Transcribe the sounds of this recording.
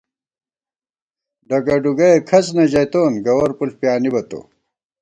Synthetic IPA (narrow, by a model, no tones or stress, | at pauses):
ɖɐɡɐɖuɡɐekʰɐsnɐʑɐjt̪oːnɡɐwɐɾpulpjaːnibɐt̪o̰